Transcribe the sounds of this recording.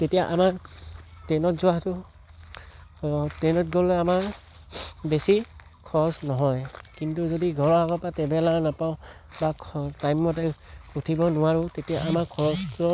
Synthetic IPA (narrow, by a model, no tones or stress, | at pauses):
tetijaʔamaɹtɛnɔtzʊwatʊ | tɛnɔt̚ɡɔlɛamaɹ | besi | kʰɔsnɔɦɔjkint̬uzɔdiɡʱɔɹɔaɡɔpatɛbɛlanapaʊ | bakʰtajmːɔtɛkutʰibɔnʊwaɹʊtetijaʔamakʰɔɹɔstɔ